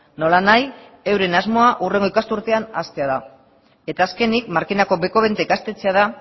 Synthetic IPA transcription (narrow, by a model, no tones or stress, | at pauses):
no̞lanaj | e̞wɾe̞nazmo̞aʔure̞ŋɡo̞ikast̪uɾt̪e̞anast̪e̞aða | e̞t̪aːske̞nik̚maɾkinako̞be̞ko̞β̞ent̪e̞kast̪e̞t͡se̞aða